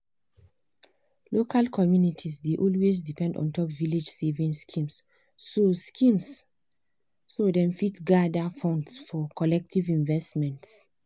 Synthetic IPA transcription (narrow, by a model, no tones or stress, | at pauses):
lokʰalkʰɔmjunitʰisdeʔɔlwez̬dipɛ̃ndɔ̰̃ntɔpviled͡ʒsevĩŋskʰĩms | oskʰĩms | odɛ̃mfitɡadafɔ̃ndsfɔkʰɔlɛk̚tʰivĩnvɛstmɛ̃nts